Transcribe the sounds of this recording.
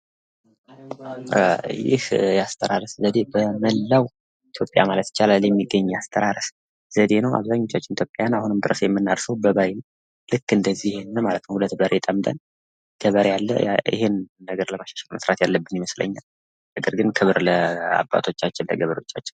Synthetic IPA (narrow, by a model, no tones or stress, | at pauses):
jɪ̰hjast̪ʰəɾaɾəszəd̪e̞bəməlːaw | it̪ʰjo̞pʼja̰malət̪t͡ʃalaljɛmːiɡːəɲːast̪ʰəɾaɾɨs | z̥əd̪e̞nəwa̰βzaɲːo̞t͡ʃːat͡ʃːɪnit̪ʰjo̞pʼjajanahunɨmd̪ɨɾəsjɛmːɨnːaɾsəwbəβaj | lɨkːɨnd̪əzːiɪhenːəmalət̪nəwhulət̪bəɾʔet̪ʼəmd̪ʼə̰n | ɡ̥əβəɾjalːə̰ʔɪ̰henːəɡəɾləmaʃḁʃɛlməsɾat̪jalːəbːɨnjɪməslə̰ɲːal | nəɡəɾɡɨnkʰɨβɾləa̰bːa̰t̪ʰo̞t͡ʃːat͡ʃːɪnlə̰ɡəβəɾo̞t͡ʃːat͡ʃːɪ̥n